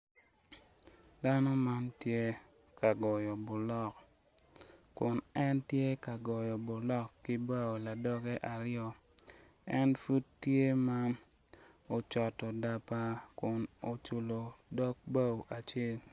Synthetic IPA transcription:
da˦nɔ˦ma˦ntje˦ | ka˨ɡɔ˨jɔ˨bʊ˨lɔ˦k | kʊ˨nɛ˦ntje˦ka˨ɡɔ˨jɔ˨bʊ˨lɔ˦kːɪ˦ba˦wo˨la˨dɔ˦ɡɛ˦ʔa˨ɾɪjɔ˦ | ɛ˦nfu˦tːje˦ma˦ | o˨t͡ʃɔ˨tɔ˨da˨pa˦kʊ˨no˨t͡ʃu˨lo˨dɔ˦k̚ba˦wo˨ʔa˨t͡ʃe˦˨l

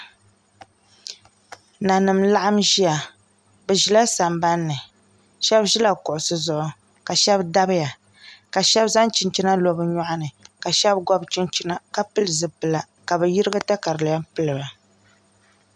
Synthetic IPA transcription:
na˨nɨ˨mla˦ʔa˦mʒi˦ja˨ | bɛ˨ʒi˨la˦sa˨mba˦nːɨ˨ | ʃɛ˦bʒi˦la˨kʊ˨ʔʊ˨sɨ˦zʊ˨ʔʊ˨ | ka˨ʃɛ˦bda˦bɨ˦ja˨ | ka˨ʃɛ˦bza˦nt͡ʃi˨nt͡ʃi˦na˦lo˨˦bɨ˦ɲɔ˦ʔa˦nɨ˨ka˨ʃɛ˦bɡɔ˦bt͡ʃi˦nt͡ʃi˦na˦ka˦pɨ˦lɨ˨zɨ˨pɨ˨la˨ | ka˨bɛ˨ji˦ɾɨ˦ɡa˦ta˦ka˨ɾɨ˨lɪ˨ja˦mpɨ˦lɨ˨ba˨

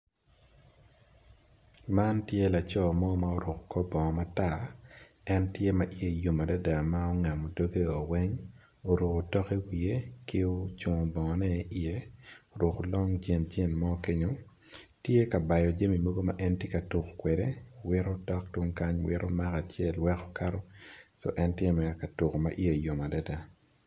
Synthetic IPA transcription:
ma˦ntje˦la˨t͡ʃɔ˦˨mɔ˦ma˨o˦ɾʊ˨kkɔ˦bɔ˨ŋɔ˨ma˦ta˦˨ | ɛ˦ntje˦ma˨ʔi˦je˦˨jo˨ma˨da˦da˨ma˦o˦ŋa˨mo˨do˦ɡe˦o˨wɛ˦ɲ | o˨ɾu˨ktɔ˦ke˦wi˨e˦kɪ˦o˦t͡ʃo˨ŋ˨bɔ˨ŋɔ˨nɛ˦ʔi˦je˦o˨ɾo˨ko˨lɔ˦ŋd͡ʒe˦nd͡ʒe˦nmɔ˦ke˦ɲo˨ | tje˦ka˨ba˨jɔ˨d͡ʒe˦mi˨mo˦ɡo˦ma̰ʔɛ˦ntje˦ka˨tu˨ko˨kwe˨de˦wɪ˦ɾo˦tɔ˦ktwo˦ŋka˦ɲwɪ̰˦ɾʔo˦ma˦ka˨t͡ʃjɛ˦lwɛ˦kɔ̥˦ka˦ɾɔ˦sɔ̰˦ʔɛ˦ntje˦mɛ˨ɾka˨tu˨ko˨ma̰˨ʔi˦e˨jo˨ma˨da˦da˨

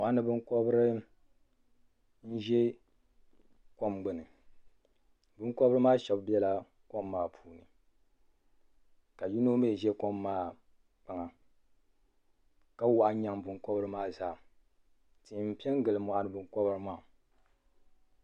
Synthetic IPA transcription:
mɔ˨ʔa˦nɨ˨bɨ˦ŋkɔ˦bɨ˦ɾɨ˦ | n̩˦ʒɛ˦ | ko˦mɡ͡bɨ˨nɨ˨ | bʊ˦ŋkɔ˦bɨ˦ɾɨ˦maː˦ʃɛ˨bbɛ˦la˨ | ko˦mːaː˦˨pʰuː˨nɨ˨ | ka˨ju˦no˦me˦˨ʒɛ˦ko˦mːaː˦˨ | k͡pa˨ŋa˨ | ka˦wa˨ʔɲa˦ŋbʊ˨ŋkɔ˦bɨ˦ɾɨ˦maː˦zaː˨ | ti˨m̩˨pi˦ɛ˦ŋ˦ɡɨ˨lɨ˨mɔ˨ʔa˦nɨ˨˦bɨ˦ŋ˦kɔ˦bɨ˦ɾɨ˦maː˦˨

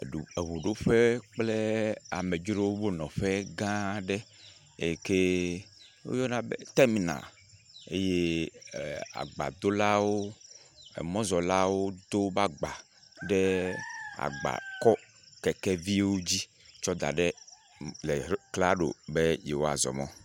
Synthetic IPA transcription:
u˨e˨wu˨ɖo˦ɸe˦k͡ple˦a̰˨me˨d͡ʒɾo˦wo˦bo˦nɔ̃˨ɸɛ˦ɡã˦ɖɛ˦ | e˨ke˦ | wo̰˦jɔ˦nã˨be˦t̪a˦mi˨na̰˨l | ḛ˦je˦ | a̰˨ɡ͡ba̰˨d̪o˦la˦wo˦ | ḛ˨mɔ̃˦zɔ˨la˦wo˦d̪o˦ba˦ɡ͡ba˨ | ɖɛ˦ | a̰˨ɡ͡ba̰˨kɔ˦ | kɛ˨kɛ˦vi˦wo˦d͡ʑi˦ | t͡ʃɔ˦d̪a̰˨ɖɛ˦ | le˨˦kla˦ɖo̰˨be˦je˨wo˦a̰˨zɔ̰˨mɔ̰̃˦

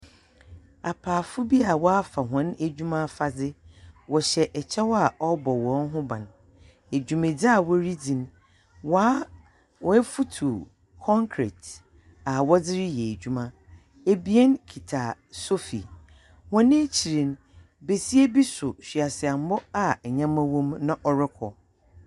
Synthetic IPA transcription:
a˨pʰaː˨fʊ˦bi˦a˨wɔ˦a˦fa˨ɦɔ̃˨˦n˦æ˨d͡ʑᶣu˦mã˦fa˨d͡zɪ˦wɔ˨ɕɛ˨ʔɛ˨t͡ɕʰɛ˦wɔ˦a˨ɔ˦bɔ˨wɔ̃˨˦n˦ɦʊ̃˦bã̰˨n | e˨d͡ʑᶣũ˨mẽ˨d͡zɪ˦a˦˨wɔ˦ɾi˦d͡zĩ˨n˦ | waː˦ | wɔ˦ɛ˦fu˦tʰu˨ | kʰɔ̃˦ŋkʰɾḛ˨t | a˨wɔ˦d͡zɪ˦ɾɪ˦jɛ˨d͡ʑᶣu˦mã˦ | e˦bi˦e˦nkʰi˨tʰa˨ | so˦fi˨ | hɔ̃˦nɪ̃˦t͡ɕʰi˨ɾĩ˨n˦ | be˨si˦e˦bi˦sʊ˨ɕᶣɥa˨sɪ˨a˨m˦bɔ˦a˨ɲã˦mã˦wɔ̃˦mnã˦ʔɔ˨ɾɪ˦kʰɔ˨

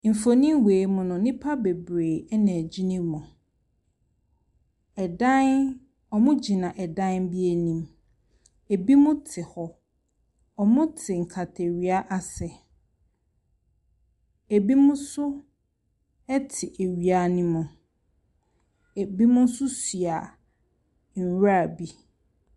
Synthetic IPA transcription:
m̩˨fo˨nĩ˦weː˨mʊ̃˨nʊ̃˨nɪ̃˦pʰa˦be˨bɾeː˨ɛ˦nɛ̃˨d͡ʑi˦nĩ˦mʊ̃˨ | ɛ˨dã˦n | ɔ˨mʊ̃˦d͡ʑi˨nã˨ʔɛ˨dã˦nbi˦e˨nĩ˨m | e˨bi˦mʊ̃˦tʰɪ˨hɔ˨ | ɔ˨mʊ̃˦tʰɪ˨ŋ̩˨kʰa˨tʰe˨ɥi˨˦a˦ʔa˦sɛ˨ | e˨bi˦mʊ̃˦sʊ˦ | ɛ˦tʰɪ˨ʔe˨ɥi˦a˦nɪ̃˦mʊ̃˨ | e˨bi˦mʊ̃˦n̩˦sʊ˦si˨a˨ | ɲ̩˨ɥa˦˨bi˦

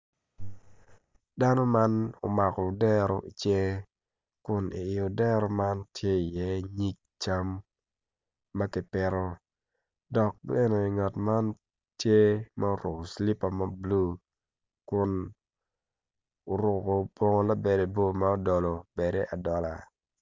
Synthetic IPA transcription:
da˦no˦ma˦no̰˨ma˨kɔ˨dɛ˦ɾo̰˨ʔi˨t͡ʃje˦ | kʊ˨nḭ˨ɪ˨jo˨dɛ˦ɾo˦ma˦ntje˦i˨jɛ˦ɲi˦k̚ | t͡ʃa˦m | a˦kɪ˨pɪ˦ɾo˦ | dɔ˨k̚be˦no˨i˨ŋa˨tma˦n | tje˦ma˦o˦ɾʊ˨ko˨sli˦pa˨ma˦blu˦ | kʊ˨n | o˨ɾʊ˨ko˨pwo˦ŋo˦la˦be˨de˨bo˦ma˦o˦dɔ˨lo˨be˨de˦ʔa˨dɔ˨la˨

